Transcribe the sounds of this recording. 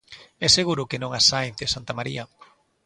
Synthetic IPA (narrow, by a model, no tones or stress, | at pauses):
ɛseɣuɾʊkenõŋasajnðesant̪amaɾia